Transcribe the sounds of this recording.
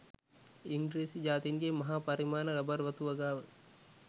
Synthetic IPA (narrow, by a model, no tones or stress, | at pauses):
iŋɡɾiːsid͡ʒaːt̪inɡemɐɦaːpɐɾimaːnəɾɐbɐɾʋɐt̪uʋɐɡaːʋə